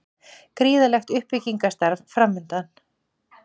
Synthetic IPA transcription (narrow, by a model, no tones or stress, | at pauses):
kɾiːðalɛxt̪ʏhpɪcːiŋkast̪aɾvfɾamːʏnt̪an